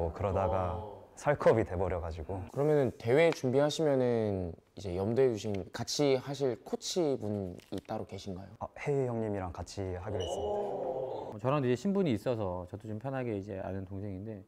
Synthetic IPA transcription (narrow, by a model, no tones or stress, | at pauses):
okɯɾʌdaɡasʰaɭkʰʌbite̞bʌɾjʌɡad͡ʑiɡokɯɾʌmjʌnɯnte̞we̞t͡ɕumbiɦaɕʰimjʌnɯn | id͡ʑe̞jʌmdwed͡ʑuɕʰinkat͡ɕʰihaɕ̬ʰiɭkʰot͡ɕʰibunit͈aɾoke̞ɕʰinɡajoahe̞jʌŋɲimiɾaŋkat͡ɕʰiɦaɡjoɦes͈ɯmɲidaʌt͡ɕʌɾandoid͡ʑe̞ɕʰimbuɲiːs͈ʌs̬ʰʌt͡ɕʌdot͡ɕompʰjʌnɦaɡe̞id͡ʑe̞̰a̰nɯntoŋsʰe̞ŋinde̞